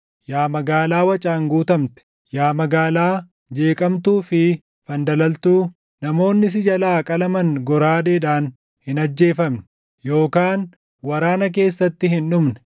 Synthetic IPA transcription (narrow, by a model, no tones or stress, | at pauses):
jaːmɐɡaːlaːwɐt͡ʃʼaːŋɡuːt̪ɐmt̪ɛ̥ | jaːmɐɡaːlaː | d͡ʒe̞ːkʼɐmt̪uːfɪ | fɐnd̪ɐlɐlt̪uː | nɐmo̞ːnːɪs̬ɪd͡ʒɐlaːkʼɐlɐmɐŋɡɔɾaːd̪eːᶑaːn | hɪnɐd͡ʒːe̞ːfɐmn | jo̞ːkaːn | wɐɾaːnɐk̬e̞ːsːɐt̪ːɪɦɪnᶑʊmnɛ̥